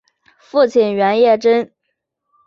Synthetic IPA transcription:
fu˥˩t͡ɕʰi˨˩nɥɛ˧˥njɛ˥˩ʈ͡ʂə˥n

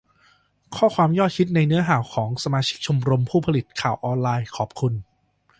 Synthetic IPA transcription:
kʰɔː˥˩kʰwaː˧mjɔː˥˩t̪̚kʰi˦˥t̪̚na˧jnɯ˦˥ɐɦaː˩˦wkʰɔː˩˦ŋsa˧maː˧t͡ɕʰi˦˥k̚t͡ɕʰu˧mɾo˧mpʰuː˥˩pʰa˧li˨˩t̪̚kʰaː˨˩wʔɔː˧nlaː˧jkʰɔː˨˩p̚kʰu˧n

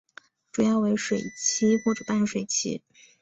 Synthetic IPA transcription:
ʈ͡ʂu˨˩jɑ˥˩ʊwe˧˥ɪʂwe˨˩ɪt͡ɕʰi˥xwɔ˥˩ʈ͡ʂɤ˨˩pa˥˧n˥˩ʂwe˨˩ɪt͡ɕʰḭ˧˥

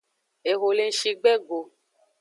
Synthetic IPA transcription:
e˨ɣo˨le˨n̩˦ʃi˧ɡ͡bɛ˦ɡo˨

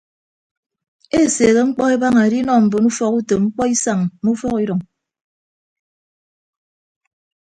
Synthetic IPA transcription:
e˦˨se˨ɣe˦ŋ͡m̩˦k͡pɔ˦e˦ba˦ŋa˨ɾi˦nɔ˦˨m̩˨bo˨nu˦fɔ˦ku˦to˨ŋ͡m̩˦k͡pɔ˦i˦sa˨ŋmu˦fɔ˦ki˦ɾɔ˨ŋ

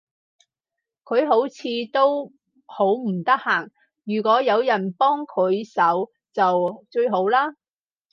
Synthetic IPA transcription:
kʰɵ˨˧ɥɦo˨˥wt͡sʰiː˨˧t̪o˥w | ho˨˥wm̩˨˩t̪ɐ˥k̚haː˨˩ŋ | jyː˨˩kʷɔː˨˥jɐ˨˧wjɐ˨˩npɔː˥ŋkʰɵ˨˧ɥsɐ˨˥w | t͡sɐ˨wt͡ʃɵ˧ɥɦo˨˥wlaː˥

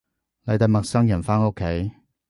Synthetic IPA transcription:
lɐ˨jt̪ɐ˨jmɐ˨k̚sɐ˥ŋjɐ˨˩nfaː˥no˥kʰːe˨˥j

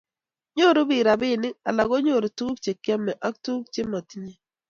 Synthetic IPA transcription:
ɲo˦˨ɾu˦bi˨ɾa˨bɪ˦˨nɪ˦a̰˨la˨ɡo˦ɲo˦˨ɾo˨tu˦kt͡ʃe˨kja˦mɛ˨ʔa˦k̚tu˦k̚t͡ʃe˦ma˨ti˦ɲe˦

